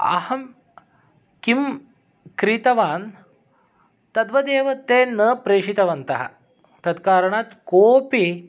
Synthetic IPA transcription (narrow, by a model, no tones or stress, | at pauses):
ɐ̰hɐm | kim | kɾit̪ɐʋaːn | t̪ɐd̪ʋɐd̪eːʋɐt̪eːnɐpɾeːʂit̪ɐʋɐnt̪ɐɦɐ̰ | t̪ɐd̪kaːɾɐɳaːt̪koːpi